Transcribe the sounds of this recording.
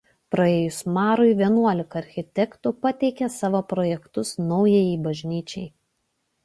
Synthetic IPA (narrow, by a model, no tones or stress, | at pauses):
pɾɐeːjʊsmɑːɾʊɪʋʲiɛnuɔlʲɪkɐɐɾʲxʲɪt̪ʲɛkt̪upɐt̪ʲɛɪkʲɛsɑːʋoːpɾɔːjɛkt̪ʊsnɔʊjeːjiːbɐʒʲnʲiːt͡ʃʲɛɪ